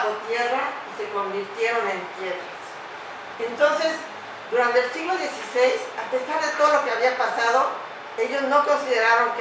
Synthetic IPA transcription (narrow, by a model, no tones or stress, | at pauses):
ot̪je̞raise̞ko̞mbiɾt̪je̞ɾo̞nẽ̞nt̪je̞ðɾas | ent̪o̞nse̞z | d̪uɾant̪e̞ːlsiɣlo̞ðje̞sisejsape̞saɾðe̞t̪o̞ð̞olo̞ke̞aβiapasað̞o̞ | e̞ʝo̞zno̞ko̞nsiðe̞ɾaɾo̞ŋk